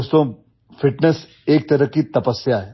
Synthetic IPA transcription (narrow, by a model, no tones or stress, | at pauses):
st̪õ | fɪʈnes | eːk̚t̪ɐɾəkit̪ɐpəsːjaɦɛː